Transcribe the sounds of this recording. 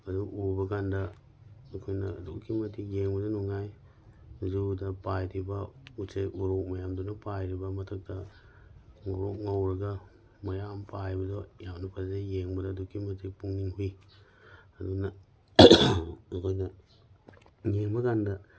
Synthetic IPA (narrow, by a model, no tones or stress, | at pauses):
aduubaɡanda | kʰujnadukimatijeŋbudanuŋaj | zudapajtibaut͡ʃeuɾuk̚majamdunapajɾibamatʰak̚da | ŋoɾukŋowɾaɡa | majampʰajbidojawnapasdjeŋbadadukimatipuŋniŋhui | aduna | kojna | jeŋbaɡanda